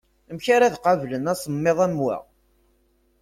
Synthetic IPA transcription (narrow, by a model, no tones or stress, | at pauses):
mçaɾæðqɑvlənæsˤəmːeðˤæmwæ̰